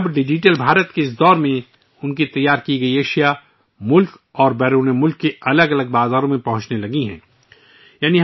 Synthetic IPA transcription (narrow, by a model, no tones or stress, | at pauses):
bɖɪd͡ʒiʈəlbʱaːɾət̪keɪs̬d̪ɔːɾmẽ | ʊnkit̪ɐjːaːɾkiɡɐieːʃija | mʊlk | ɔːɾbɛːɾuːnemʊlkːeɐləɡɐləɡ̚baːzaːɾõmẽpɐɦʊ̃t͡ʃnelɐɡiɦɛ̰̃ː | jaːniɦ